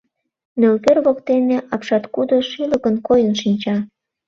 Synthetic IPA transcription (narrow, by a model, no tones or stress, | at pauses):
nølkerβokt̪eneʔɑpʃɑt̪kud̪oʃiləkənkojənʃinʲt͡ɕɑ